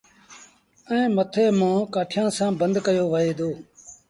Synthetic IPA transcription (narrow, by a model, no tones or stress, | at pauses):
ɛ̃ːmət̪ʰeːmãːkaːʈʰjãːsãːbənd̪kəjoːʋəɦeːd̪oː